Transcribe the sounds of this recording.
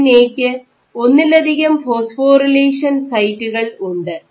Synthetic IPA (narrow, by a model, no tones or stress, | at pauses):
neːkʲːɨ | o̞nːilɐd̪ʱiɣɐmfo̞ːsfo̞ːrileːʂɐnsɐjtːuɣɐɭuɳɖɨ